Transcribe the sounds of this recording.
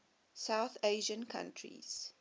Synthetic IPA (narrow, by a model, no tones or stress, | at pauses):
saʊθeɪʒə̃nkʰã̰ntʰɹḭz̥